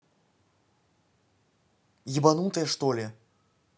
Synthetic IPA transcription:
jʲibanut̪ɐjɛʂt̪ɔlʲɛ

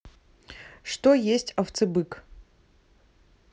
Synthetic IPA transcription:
ʂtojesʲtʰʲaft͡sʰɨbɨkʼ

